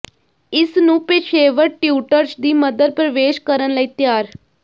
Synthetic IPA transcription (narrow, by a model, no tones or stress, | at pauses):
ɪsnũːpeːʃeːʋəɾʈjuːʈəɾt͡ʃd̪iːməd̪əd̪̚pɾəʋeːʃkəɾənləiːt̪jaːɾ